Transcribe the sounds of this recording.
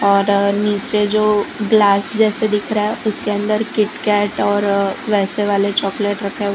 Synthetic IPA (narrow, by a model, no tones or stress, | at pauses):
ɔːɾniːt͡ʃed͡ʒoːɡlaːsd͡ʒɛːsed̪ɪkʰɾaɦɛʔʊskeɐ̃nd̪əɾkɪʈkɛːʈɔːɾʋɛːseʋaːlet͡ʃɔːkleːʈɾɐkʰe